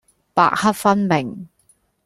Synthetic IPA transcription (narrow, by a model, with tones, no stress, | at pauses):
pa̰ː˧˨k̚hɐ˥t̚fɐ˥nmɪ˨˩ŋ